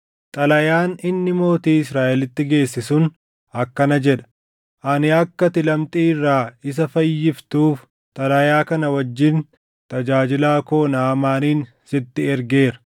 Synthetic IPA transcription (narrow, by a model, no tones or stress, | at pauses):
t̪ʼɐlɐjaːnɪnːɪmo̞ːt̪iːɪsɾaːʔɛlɪt̪ːɪɡe̞ːsːɪsʊn | ɐkːɐnɐd͡ʒɛᶑɐ̥ | ʔɐnɪɐkːɐt̪ɪlɐmt̪ʼiːɪrːaːɪs̬ɐfɐjːɪft̪uːf | t̪ʼɐlɐjaːkɐnɐwɐd͡ʒːɪn | t̪ɐd͡ʒaːd͡ʒɪlaːkoːnaːmaːniːn | sɪt̪ːɪɛɾɡe̞ːɾɐ̥